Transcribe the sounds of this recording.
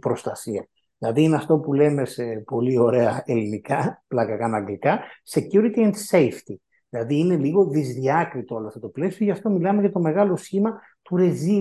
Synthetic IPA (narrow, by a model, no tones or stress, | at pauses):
pɾo̞st̪ɐsiɐ | ðilɐðiineɐft̪o̞pule̞me̞sepo̞lio̞ɾe̞ɐelinikɐplɐɣɐkɐnɐŋɡlikɐse̞cuɾit̪ient̪sejft̪i | ðilɐðiːne̞liɣo̞ðizðiɐkɾit̪ooloɐft̪ot̪o̞ple̞sioʝɐft̪o̞milɐme̞ʝɐt̪o̞me̞ɣɐlo̞sçimɐ | t̪uɾe̞zi